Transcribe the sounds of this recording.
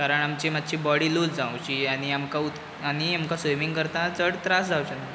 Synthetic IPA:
kaɾəɳamt͡ɕiːmat̪ːt͡ɕiːbɔɽiːluːd͡zd͡zawt͡ɕiːaɽ̃iamkaut̪ | aɽ̃iamkasʋojmiŋɡkəɾt̪ãt͡səɽt̪ɾasd͡zʱawt͡ɕana

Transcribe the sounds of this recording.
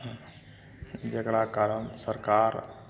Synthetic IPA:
d͡ʒeɡɽakaɾənsəɾkaːɾ

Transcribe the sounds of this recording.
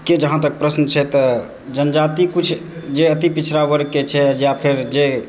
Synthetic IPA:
ked͡ʒəɦãt̪ək̚pɾəsnt͡ʃʰɛt̪ə | d͡ʒənd͡ʒat̪ikut͡ʃʰd͡ʒeət̪ipit͡ʃʰɾabəɾket͡ʃʰɛjapʰeɾd͡ʒe

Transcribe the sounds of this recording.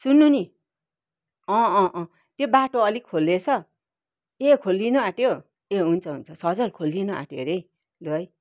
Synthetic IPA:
sunːuni | ʌ̃ʔ | t̪jobaʈoʌlikʰolːet͡sʰʌ | ekʰolːinoãʈjo | eɦunt͡sʰʌɦunt͡sʰʌsʌd͡zʌlkʰolːinʌa̰ʈjoɾej | loʌj

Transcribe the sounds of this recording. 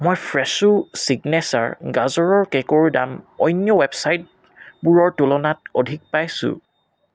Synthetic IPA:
mɔjpʰɹɛsusiɡnɛsa̰ɹɡazɔɹɔɹkɛkoɹda̰mɔ̰jnjɔwɛbsajt̚ | buɹɔɹtulɔnat̚ɔdʱik̚pajsʊ̰̃

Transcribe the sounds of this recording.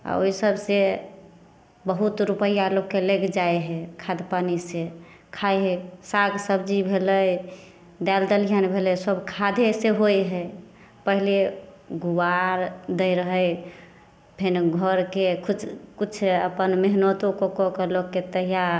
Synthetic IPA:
a̰oisəbse | bəɦut̪ɾupəijalokkːelekd͡ʒaeɦɛkʰad̪panise | kʰaeɦesaɡsəbd͡ʒibʱeləj | d̪ɛld̪əlijənbʱelɛsəbkʰad̪ʱeseɦojɦɛ | pəɦile | ɡuwaɾd̪əɾəɦəj | pʰinɡʱəɾkekʰut͡ʃʰkut͡ʃʰəpənmeɦnət̪õkokɔkəlokːet̪əɦija

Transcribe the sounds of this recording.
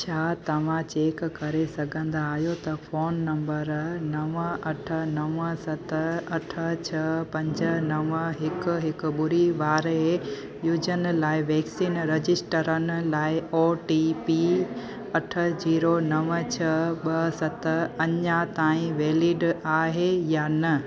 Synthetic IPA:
t͡ɕʰaːt̪ɐʋ̤ãt͡ɕeːkkɐɾesɐɡʱə̃nd̪aaːɦijot̪ɐfoːnːɐ̃mbəɾnɐʋəʔɐʈʰə̆nɐʋəsɐt̪ɐʈʰət͡ɕʰɐpɐ̃ɲd͡ʑənɐʋɦɪk̆ɦɪkʊɓʊɾiʋaːɾe | jʊd͡ʑənlaːɪʋɛːksiːnɾɐd͡ʑɪsʈəɾənɪ̆laːɪɔːʈiːpi | ɐʈʰə̆d͡ʑiːɾonɐʋət͡ɕʰɐɓɐsɐt̪ɐɲat̪ãːĩʋeːlɪɖaːɦejaːnɐ

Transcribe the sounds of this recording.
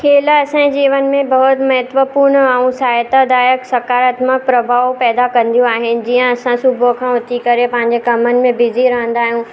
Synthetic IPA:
kʰeːlɐsãd͡ʑiːʋənɪ̆mẽbɐɦʊt̪mɐɦɛt̪ʋəpuːɾɳaũsaːjt̪ad̪aːjəksɐkaːɾaːt̪mək̚pɾɐbʱaːʋopɛːd̪akɐ̃nd̪ijũaːɦɪnɪ̆d͡ʑiə̃ɐsãsʊbʱokʰãɐt̪ikɐɾepɐ̃ɦɪ̃ɲd͡ʑekɐmənɪ̆mẽbɪziɾãːnd̪aːɦijũ

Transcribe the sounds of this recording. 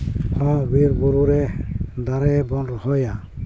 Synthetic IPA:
hɔbiɾbuɾuɾɛd̪aɾɛbɔnɾɔhɔja

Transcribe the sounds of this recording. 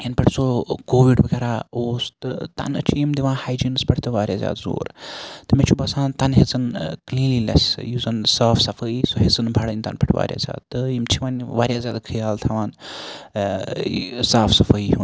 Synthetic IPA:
jɐnpʲɐʈʰʲsokoːʋiɖbəɡʲɐɾaːoːst̪ɨt̪ɐ̰nɐ̰t͡ʃʰijimd̪iʋãːnhaːjd͡ʒiːnɨspʲɐʈʰt̪ɨʋaːɾʲjaːzʲja̰ːd̪zo̰ːɾt̪ɨmet͡ʃʰubɐsãːnt̪ɐnɦezɨnkliːnliːlɐsjuːzɐnsaːfsɐfəisoɦezɨnbʱɐɽənʲt̪ɐ̰npʰʲɐʈʰʲʋa̰ːɾʲja̰ːzʲa̰ːd̪̚t̪ɨjimt͡ʃʰiʋaːnʋaːɾʲjaːzʲaːd̪kʰɨjaːlt̪ʰɐʋaːn | saːfsɐfəihun

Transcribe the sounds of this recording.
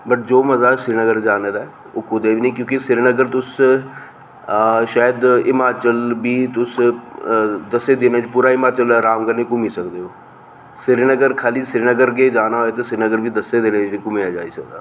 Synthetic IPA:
bəʈ̚d͡ʒoːməzaːsɪɾinəɡəɾd͡ʒaːneːd̪aː | oːkʊd̪eːʋiːnĩːkjõːkɪsɪɾnəɡəɾt̪ʊs | ʃaːjəd̪ɪmaːt͡ʃəlbiːt̪ʊs | d̪əseːd̪enẽːt͡ʃpuːɾaːɪmaːt͡ʃəlɾaːmɡənẽːkʊmiːsəkd̪eːɦoː | sɪɾnəɡəɾkʰaːliːsɪɾinəɡəɾɡeːd͡ʒaːnaːɦoːeːt̪eːsɪɾnəɡəɾʋiːd̪əsːeːd̪eːneːd͡ʒikʊmijaːd͡ʒa̰ːḭːsəkd̪aː

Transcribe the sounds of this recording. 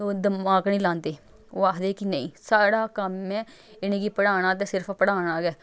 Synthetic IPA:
oːd̪əmaːknĩːlãːnd̪eː | oːaːkd̪eːkinəḭ̃ːsaːɽaːkəmɛ̃ː | ɪnẽːɡiːpəɽaːɽ̃aːt̪̬ẽːsɪɾpʰpəɽaːɽ̃aːɡɛː

